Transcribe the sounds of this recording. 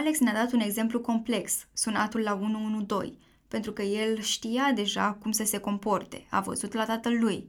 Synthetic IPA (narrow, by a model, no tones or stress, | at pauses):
ale̞ksnead̪at̪une̞ɡze̞mpluko̞mple̞ksːunat̪ulːaunuunud̪o̞̰j | pe̞nt̪ɾukəje̞lʃt̪ijad̪e̞ʒa̰kumsəse̞ko̞mpo̞rt̪e̞̰a̰və̰zut̪lat̪at̪əlːuj